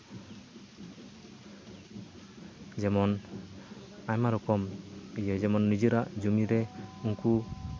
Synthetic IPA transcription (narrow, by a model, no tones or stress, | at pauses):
d͡ʒɛmɔn | ajmaɾɔkɔmid͡ʒɔd͡ʒɛmɔnːid͡ʒiɾaʔd͡ʒumiɾɛuŋku